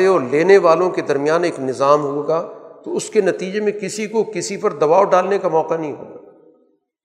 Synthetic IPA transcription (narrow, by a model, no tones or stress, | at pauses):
ɔːleːneʋaːlõked̪ɐɾmijaːneːknɪzaːmɦueɡaːt̪oʊskenɐt̪iːd͡ʒemẽkɪsikokɪsipɐɾd̪ɐbaːoɖaːlnekamɔːqanɐɦĩɦo̰ːɡaː